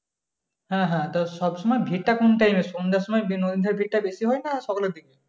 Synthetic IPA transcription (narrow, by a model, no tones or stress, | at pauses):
hãɦãt̪ɔʃɔbʃɔmɔebʱiʈ̚ʈakonʈajmesond̪aʃɔmɔjbinod̪ind̪ʱaɾbʱiʈ̚ʈːabesiɦɔenaʃɔkoleɾd̪ike